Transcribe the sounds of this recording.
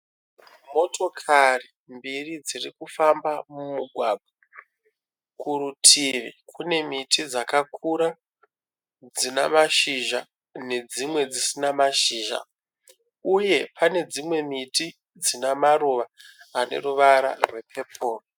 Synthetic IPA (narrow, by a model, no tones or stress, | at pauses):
mo̞to̞kʰari | mbirid͡zirikufambamumuɡʱwabʱa | kurutʰiʋḭkʰune̞mitid͡zakakʰuɾa | d͡zina̰maʃiʒa | ne̞d͡zimwe̞d͡zisinamaʃiːʒa̰ | uje̞pʰane̞d͡zimwe̞miti | d͡zinamaruʋaane̞̰ruʋaɾa̰rwe̞pʰe̞pʰo̞ːro